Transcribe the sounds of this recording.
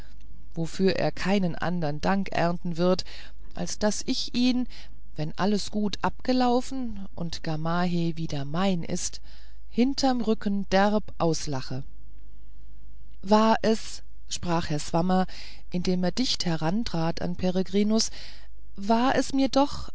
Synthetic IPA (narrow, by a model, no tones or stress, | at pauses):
vofyːɐʔḛːɐkʰaɪnənʔa̰ndɐndaŋkʔɛ̰ɐntn̩vɪɐt | ʔa̰lsd̥asʔɪçʔiːn | vɛnʔaləsɡ̥uːtʰʔap̚ɡ̥əlaʊfn̩ | ʔʊ̰ntɡ̥amaːɦeviːdɐmaɪnʔɪ̰st | hɪntʰɐmʁʏkn̩d̥ɛʁpʔaʊslaχə | vaːɐʔɛs | ʃpʁ̥aːχhɛɐzv̥amɐ | ʔɪndeːmeːɐdɪçthɛʁantʁ̥aːta̰npʰeʁeɡʁiːnʊs | vaːɐʔɛsmiːɐdɔχ